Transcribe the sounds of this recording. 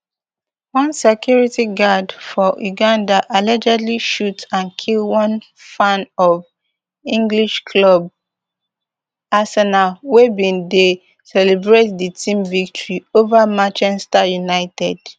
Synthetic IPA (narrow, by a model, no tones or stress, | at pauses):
wɔ̃nsekjuɹitiɡadfɔʔuɡãndaʔalɛd͡ʒɛdliʃutãnkʰilwɔ̃n | fãnɔv | ĩŋɡliʃkʰlɔb̚ | asɛnalwebĩnde | sɛlɛbɹetditĩmvik̚tɔɹiovamãt͡ʃɛstajunaɪtɛd̥